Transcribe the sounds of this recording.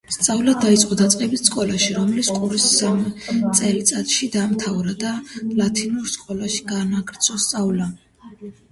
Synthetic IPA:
st̪sʼavlad̪ait̪sʼqʼɔd̪at̪sʼqʼɛbisskʼɔlaʃiɾɔmliskʼuɾisːamt̪sʼɛlit̪sʼat̪ʼʃid̪amt̪ʰavɾad̪alat̪ʰinuɾskʼɔlaʃi̥ɡanaɡɾt̪sʰɔst̪sʼavla

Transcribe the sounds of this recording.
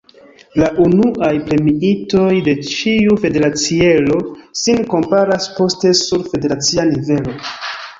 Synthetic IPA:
laʔunuʔajpɾe̞miito̞jde̞t͡ʃiufe̞de̞ɾat͡sielo̞sinko̞mpaɾaspo̞ste̞suɾfe̞de̞ɾat͡sianive̞lo̞

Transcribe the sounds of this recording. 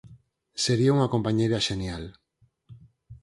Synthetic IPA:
seɾiauŋakompaɲejɾaʃenjal

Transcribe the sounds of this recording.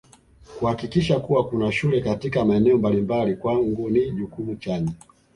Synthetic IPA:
kuhakikiʃakuwakunaʃulɛkatikamaɛnɛɔmbalimbalikwaŋɡuniʄukumut͡ʃaɲɛ

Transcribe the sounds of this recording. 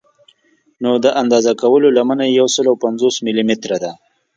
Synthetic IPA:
nod̪əʔand̪ɑzakawəlolamanajawsəlawpanzosmɪlimɪt̪ɾad̪a

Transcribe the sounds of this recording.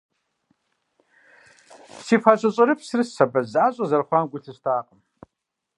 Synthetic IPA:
psiːfaːɕʼɐɕʼɐɾɨpsɨrɨsːɐbɐzaːɕʼɐzɐrχʷaːnɡʷʊɬɨstʰaːqʼəm

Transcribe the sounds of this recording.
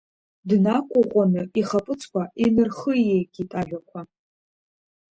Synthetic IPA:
dnakʷʼʊʁʷʼanɨiχapʼɨt͡sʼʰkʷʰaʔinɨrχɨjeɡʲʼitʼaʒᶣʷakʷʰa

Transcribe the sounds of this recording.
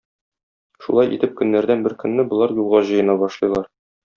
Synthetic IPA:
ʃṵlˠɑjʔḭt̪ɘp̚kɵ̆nːæɾd̪ænbɘɾkɵ̆nːɘbŏlˠɑɾjulˠʁɑʑɤ̆jɤ̆nɑbɒʃlˠɤ̆jlˠɑɾ

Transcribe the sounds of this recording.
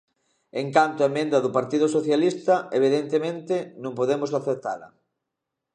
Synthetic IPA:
eŋkant̪oaemẽnd̪ɐðʊpaɾt̪iðʊsoθjalist̪ɐeβ̞iðent̪emẽnt̪enõŋpoðemʊzlaθet̪a̰lɐ̰

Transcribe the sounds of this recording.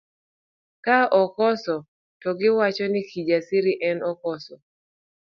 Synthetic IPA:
kaʔɔkɔsɔ | tɔɡɪwat͡ʃɔnɪkʰid͡ʒasiɾiʔɛnɔkɔsɔ

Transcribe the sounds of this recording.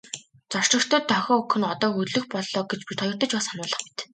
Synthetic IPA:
t͡sɔr̥t͡ɕə̆kt̪ʰəːt̪ʰːœxʲɔːukʰɵ̆nɔt̪ɔːuɵɮɵ̆xpɔɮɔːɡet͡ɕpit̪ʰɔjɞ̆rt̪ə̆t͡ɕpasanʊːɮə̆χmi̥t̪

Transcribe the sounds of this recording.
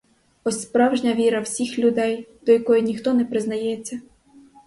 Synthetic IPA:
ɔsʲspɾɑwʒnʲɐʋʲiɾɐwsʲixlʲʊd̪ɛjd̪̥ɔjɐkɔjinʲixt̪ɔnɛpɾɪznɐjɛt͡sʲːɐ

